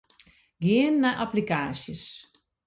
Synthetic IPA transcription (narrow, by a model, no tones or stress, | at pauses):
ɡɪənːaʔaplikaːsjəs